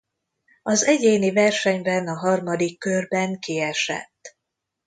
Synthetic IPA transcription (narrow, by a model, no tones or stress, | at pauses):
ɒzɛɟeːnivɛrʃɛɲbɛnɒɦɒrmɒd̪ikːørbɛŋkiɛʃɛ̰t̪ː